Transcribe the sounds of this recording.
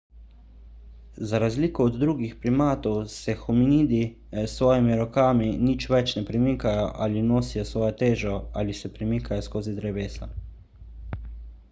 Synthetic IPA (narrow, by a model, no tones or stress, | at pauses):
zaɾazliːkɔːd̪ːɾuːɡixpɾimaːt̪ɔwsɛxuminiːd̪i | sʋɔːjimiɾɔkaːminit͡ʃʋɛt͡ʃnɛpɾimiːkajɔʔaːlinoːsijɔsʋɔːjɔt̪eːʒɔa̰lisɛpɾimiːkajɔskoːzid̪ɾɛbeːsa̰